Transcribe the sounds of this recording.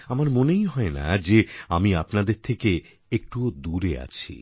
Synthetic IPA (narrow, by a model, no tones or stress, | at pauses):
amaɾmonejɦɔena̰d͡ʑeamiapnad̪eɾt̪ʰeke | ek̚ʈud̪uɾea̰t͡ɕʰḭ